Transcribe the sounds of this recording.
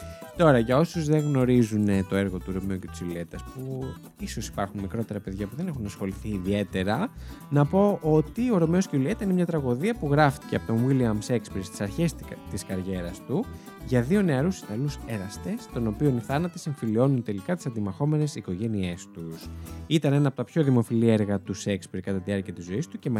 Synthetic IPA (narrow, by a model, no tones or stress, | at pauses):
t̪o̞ɾɐʝɐo̞suzðe̞ɣno̞ɾizunet̪o̞e̞ɾɣo̞t̪uɾo̞miuce̞t̪i̥silie̞t̪ɐspu | isosi̥pɐɾxunmikɾo̞t̪e̞ɾɐpe̞ðʝɐpuðe̞ne̞xunɐsxo̞liθiːðie̞t̪e̞ɾɐnɐpo̞ʔo̞t̪io̞ɾo̞mio̞sceulie̞t̪ɐsinemɲɐt̪ɾɐɣo̞ðiɐpuɣɾɐft̪i̥ceɐpo̞t̪onwiliɐmse̞kspɾest̪i̥sɐɾçe̞st̪iskɐɾʝe̞ɾɐst̪u | ʝɐðio̞ne̞ɐɾusi̥st̪ɐluseɾɐst̪e̞st̪o̞no̞pio̞niθɐnɐt̪ese̞ɱfilio̞nunt̪e̞likɐt̪i̥sɐnd̪imɐxo̞me̞ne̞siko̞ʝe̞nie̞st̪usit̪ɐne̞nɐːpo̞t̪ɐpço̞ðimo̞filieɾɣɐt̪use̞kspeɾkɐt̪ɐt̪iɐɾciɐt̪izo̞ist̪uce̞mɐ